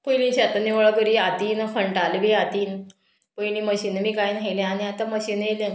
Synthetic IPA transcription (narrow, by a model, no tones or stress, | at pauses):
pəjlĩɕaat̪aniwɭəkəɾiat̪iːnfəɳʈalbiat̪iːn | pəjñiməɕiːnmiːkajnɦelẽaniat̪aməɕiːnɦelen